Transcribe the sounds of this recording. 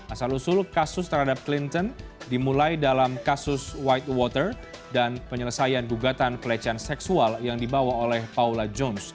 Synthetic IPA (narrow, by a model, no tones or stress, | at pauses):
ʔasalusʊlkasʊst̪əɾɦadap̚klint̪ɔndimulajdalamkasʊswajt̪̚wɔt̪ər | danpəɲələsajanɡuɡat̪anpəlat͡ʃɛansɛksualjaŋdibawaolɛhpaulad͡ʒɔns